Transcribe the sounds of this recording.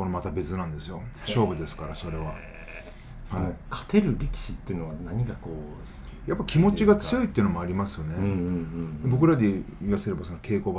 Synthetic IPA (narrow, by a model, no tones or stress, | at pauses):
konomat̪abe̞t͡sɨnãnd̪e̞sɨjo̞ɕɕo̞ːbɯ̟d̪e̞sɨ̥kaɾaso̞ɾe̞β̞a | akʰḁt̪e̞ɾɯ̟ɾʲekʲi̥ɕi̥t̪ːeɯ̟noβanaɲ̟ikakoː | japːakʲimo̞t͡ɕiɡat͡sɨjo̞it̪ːeiɯ̟nomo̞aɾʲimasɨjo̞nẽ̞ | bo̞k̬ɯ̟ɾad̪e̞ | iβaseɾe̞baso̞no̞kʰe̞ːko̞ːb